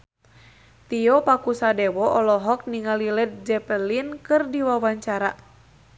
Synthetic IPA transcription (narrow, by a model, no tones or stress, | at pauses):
t̪iɔpakusadɛwɔʔɔlɔɦɔk̚niŋalilɛt̪̚d͡ʒɛpəlinkɨrdiwawaɲt͡ʃaɾa